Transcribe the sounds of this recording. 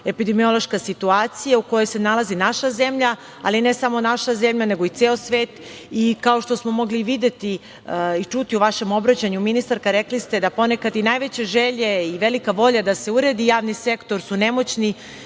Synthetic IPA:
e̞pid̪emio̞lo̞ʃkasit̪uaːt̪sijauko̞jojse̞nalˠazinaʃaze̞mʎa | aline̞samo̞naʃaze̞mʎane̞ɡo̞it̪seːosʋe̞ːt̪ | ikao̞ʃt̪o̞smo̞mo̞ɡliʋid̪et̪i | it͡ʂut̪iuʋaʃe̞mo̞bɾat͡ɕaɲuminist̪aɾkaɾe̞klist̪e̞d̪apo̞ne̞kad̪inajʋet͡ɕeʒeʎe̞iʋelikaʋo̞ʎad̪ase̞uɾed̪ijaːʋnise̞kt̪o̞ɾsune̞mo̞t͡ɕni

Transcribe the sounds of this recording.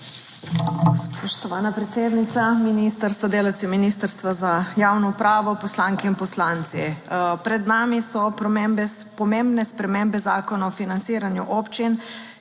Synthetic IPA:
spɔʃt̪ɔʋaːnapɾɛt̪seːd̪nit̪saminist̪əɾst̪ad̪eːlawt̪siminist̪əɾst̪ʋazajaːwnɔupɾaːʋɔpɔslaːŋkɛinpɔslaːnt̪sipɾɛd̪naːmisɔpmembɛ | pɔmembnɛspɾɛmembɛzaːkɔnaɔfinantsiːɾanjuʔoːpt͡ʃin

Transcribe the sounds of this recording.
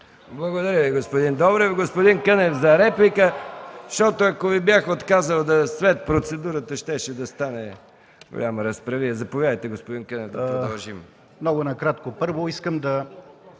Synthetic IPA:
blˠɐɡod̪ɐɾjəviɡospod̪ind̪ɔbɾɛvɡospod̪inkənɛfzɐɾɛplikəʃt̪ɔt̪oɐkovibjaxot̪kazəlˠd̪ɐsvɛt̪̚pɾot̪sɛd̪uɾət̪əʃt̪ɛʃɛd̪ɐst̪anɛ | ɡo̰lʲamɐɾɐspɾɐviɛzɐpovjad̪əjt̪ɛɡospod̪inkənɛfd̪ɐpɾod̪ɐlˠʒim | mnɔɡonɐkɾat̪kopɤɾvoiskəmd̪ɐ

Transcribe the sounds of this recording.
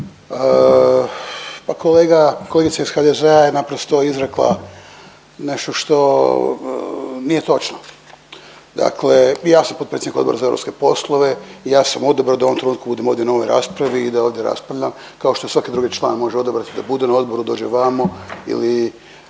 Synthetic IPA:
ə | pakoleːɡakolˠeɡit̪saisxad̪ezeajenapɾost̪o̞izɾeklˠa̰ | ne̞ʃt̪oʃt̪o̞ | nije̞t̪o̞t͡ʃno | d̪a̰kʰle̞jaːsampot̪̚pɾesed̪nikod̪boɾazaevɾopskepo̞slˠoʋe̞ijaːsamo̞d̪obɾad̪aoomt̪ɾenuːt̪kubud̪emo̞ːd̪jeno̞ʋojɾa̰ːspɾaʋiːd̪ao̞ːʋd̪jeɾa̰spɾaʋʎʲam | kaoʃt̪oesʋake̞d̪ɾuɡet͡ʃlˠa̰ːnemo̞ʒeo̞d̪obɾat̪id̪abud̪enao̞d̪bo̞ɾud̪o̞ːd͡ʒeʋamoḭli

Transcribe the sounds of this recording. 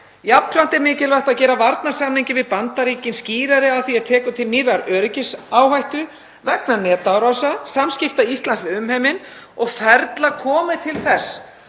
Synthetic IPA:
japʰːɾan̥t̪ɛɾmɪːcɪlvaht̪aðcɛːɾavaɾt̪naɾ̥samniɲcɪvɪðpant̪aɾiːcɪnsciːɾaɾɪaðθiaðt̪ʰɛːkʏt̪ʰɪlniːɾaɾœːɾɪcɪsaːwhajht̪ʏ | vɛknanɛːt̪aɾasasamscɪft̪aist̪lanslɪʏmhɛjmɪn | ɔɣfɛɾt̪lakʰɔːmɪt̪ʰɪlθɛs

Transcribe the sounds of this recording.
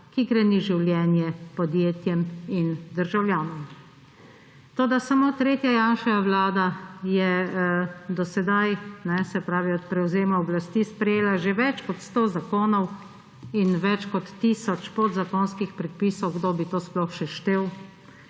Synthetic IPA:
kiɡɾɛniʒiwlʲjɛːnjɛpɔd̪jeːt̪jɛmind̪əɾʒawljaːnɔm | t̪oːd̪asamoːt̪ɾeːt̪jajaːnʃɛaʋlaːd̪ajɛ | d̪ɔsɛd̪ajnɛsɛpɾaːʋiɔt̪̚pɾɛwzeːmaɔblast̪iːspɾɛjeːlaʒeʋɛt͡ʃkɔt̪st̪oːzakoːnɔw | inʋɛt͡ʃkɔt̪ːisɔt͡ʃpod̪zakoːnskixpɾɛt̪̚piːsɔwɡd̪oːbit̪oːsplɔxʃɛʃt̪eːw

